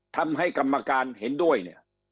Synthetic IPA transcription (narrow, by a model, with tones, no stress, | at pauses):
t̪ʰa˧mɦa˥˩jka˧mːa˧kaː˧nɦe˩˦ndu˥˩əjnḭ˦˥˩ɐ